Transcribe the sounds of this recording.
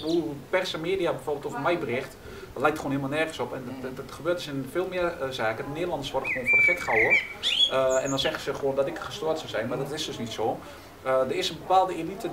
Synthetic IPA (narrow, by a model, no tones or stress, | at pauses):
ʋəupɛrsəmeːdijabɛjforbɪlˠtofəmɛjbərɪxt | lɛjktxoːnhiəmalˠnɛrχənsɔpɛntxəbøːətdøsɪnfeːlˠmɪərzaːkədəneːdəlˠɑndəsʋɔdəxəʋoːnfodəfɛkχaəs | ɛ̰ndɔnsɛxəsəxʋoəndɔtɪkxəstoətsɔwsɛjnmadɔtɪsdøsnitsoː | ədərɪsənbəpaːlˠdəelitʰə